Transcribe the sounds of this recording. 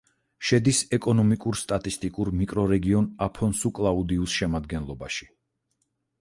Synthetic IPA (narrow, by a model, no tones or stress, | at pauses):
ʃɛd̪isɛkʼɔnɔmikʼuɾst̪ʼat̪ʼist̪ʼikʼuɾmikʼɾɔɾɛɡiɔnapʰɔnsukʼlˠaud̪iusʃɛmad̪ɡɛnlˠɔbaʃi̥